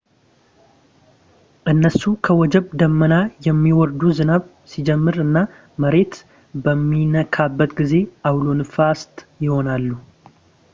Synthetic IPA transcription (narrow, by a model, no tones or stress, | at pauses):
ʔɨnːəsukʰəwɔd͡ʒɛβd̪əmːənajɛmːiwɔɾd̪uzɨnaβ | sid͡ʒɛmːɨɾɨnːa | məɾe̞t̪ | bəmːinəkʰabːət̪ɡize̞ʔawlonfast̪jɪho̞nalːu